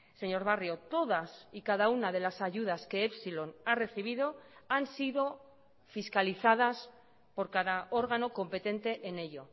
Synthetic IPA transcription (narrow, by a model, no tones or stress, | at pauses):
se̞ɲo̞ɾβ̞arjo̞t̪o̞ðasikað̞aunaðe̞lasaʝuðaske̞epsilo̞nare̞θiβ̞ið̞o̞ansiðo̞ | fiskaliθað̞as | po̞ɾkaðao̞ɾɣano̞ko̞mpe̞t̪e̞nt̪e̞ʔːne̞ʎo̞